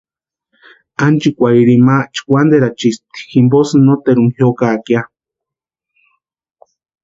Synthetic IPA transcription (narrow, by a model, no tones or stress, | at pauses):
ant͡ʃikʷaiɾimaʔt͡ʃi̥kʷand̪eɾat͡ʃist̪i̥ximbosɨnot̪eɾuŋhjokakja